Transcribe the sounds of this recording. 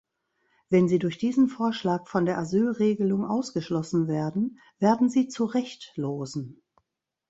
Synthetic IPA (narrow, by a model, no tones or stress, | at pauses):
v̥ɛnziːdʊɐçd̥iːzn̩foːɐʃlaːkfɔndeːɐʔazyːlʁeːɡəlʊŋʔaʊsɡ̥əʃlɔsn̩veːɐdn̩ | veːɐdn̩ziːt͡suʁɛçtloːzn̩